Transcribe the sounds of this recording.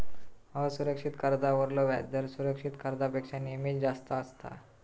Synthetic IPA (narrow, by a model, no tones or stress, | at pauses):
ɦəsuɾəkʂit̪kəɾd̪aʋəɾloʋa̰d̪əɾsuɾəkʂit̪kəɾd̪apekʂanimiːd͡zast̪əəst̪a̰